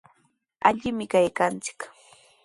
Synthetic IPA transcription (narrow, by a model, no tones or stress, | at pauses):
aʎɪmɪkajkant͡sɪ̥k